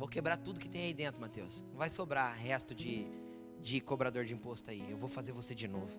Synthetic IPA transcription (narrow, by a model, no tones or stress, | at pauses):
vokebɾat̪ud̪ʊkɪ̥t̪ẽj̃aid̪ẽnt̪ɾʊmat̪ewsñvajsobɾaɦɛst̪ʊd͡ʒɪ | d͡ʒɪkobɾad̪oɾd͡ʒɪĩpost̪ʊaiewvowfazeɾvosed͡ʒɪnovʊ